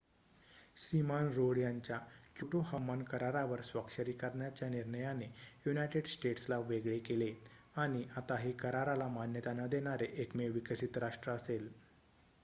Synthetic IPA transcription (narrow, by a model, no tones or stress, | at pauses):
simanɾoɽjaɲt͡ɕjakjuʈoɦəmːankəɾaɾaʋəɾsʋəkʂəɾiːkəɾɳjat͡ɕjaniɾɳəjanejunajʈeɖsʈeʈslaʋeɡɭekele | aɽ̃iʔat̪aɦikəɾaɾalamanjət̪anəd̪eɽ̃aɾeʔekmeʋikəsit̪ɾaʂʈɾəəsel